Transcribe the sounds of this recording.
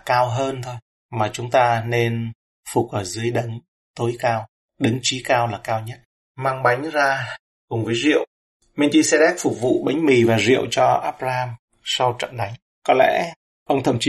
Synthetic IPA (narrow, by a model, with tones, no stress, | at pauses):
kaː˧wɦəː˧nt̪ʰo˧j | maː˨˩t͡ɕʊ˨˦ŋ͡mt̪aː˧ne˧n | fʊ˨˩k̚ʔəː˧˩zɨ˨˦əjɗə˨˦ŋ | t̪o˨˦jkaː˧w | ɗɨ˨˦ŋt͡ɕi˨˦kaː˧wlaː˨˩kaː˧wɲə˦˥t̚ | maː˧ŋɓa˨˦jŋ̟zaː˧ | kʊ˨˩ŋ͡mvəː˨˦jzḭ˧˨əw | mɛ˧nt͡ɕ̪i˧se˧ɗɛ˦˥k̚fʊ˨˩k͡p̚vṵ˧˨ɓa˨˦jŋ̟mi˨˩vaː˨˩zḭ˧˨əwt͡ɕɔ˧ʔaː˦˥p̚zaː˧haː˧m | sa˧wt͡ɕə̰˧˨nɗa˨˦jŋ̟ | kɔ˨˦lɛ̰˧˥ | ʔə˧wŋ͡mt̪ʰə˧˩mt͡ɕi˨˦